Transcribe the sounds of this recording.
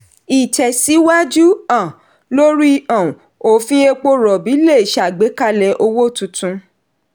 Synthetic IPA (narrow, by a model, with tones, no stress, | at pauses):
i˨t͡ʃɛ˨si˨˦wa˦d͡ʒu˦ã˦˨ | lo˦ɾi˦ã˨ | o˨fĩ˧e˧k͡po˦ɾɔ˨bi˨˦le˦˨ʃa˨ɡ͡be˨˦ka˦lɛ˧˦ʔo˧wo˦˨tũ˧tũ˧